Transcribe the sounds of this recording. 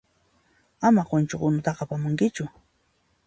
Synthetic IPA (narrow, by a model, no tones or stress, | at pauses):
amaɢʊnt͡ʃoqʊnʊt̪ɑqapamʊŋkɪt͡ʃʊ